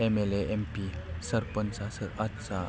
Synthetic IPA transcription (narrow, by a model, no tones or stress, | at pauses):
ɛmɛleʔɛmpisərpənsasəʔat̪sa